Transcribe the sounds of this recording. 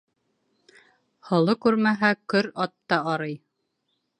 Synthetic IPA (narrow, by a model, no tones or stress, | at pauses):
hɤ̆lˠɤkʉɾmæɦækɵɾɑt̪ːɑɑɾɤj